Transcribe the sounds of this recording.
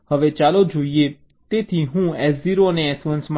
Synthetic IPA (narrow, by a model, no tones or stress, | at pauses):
həʋet͡ʃalod͡ʒoie | t̪et̪ʰiɦũɛziɾoneɛsʋə̃nsm